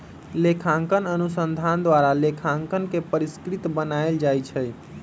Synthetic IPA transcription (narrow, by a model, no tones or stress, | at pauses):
lekʰãŋkənənusənd̪ʱand̪waɾalekʰãŋkənkepəɾiskɾit̪bənaeld͡ʒajt͡ʃʰɛj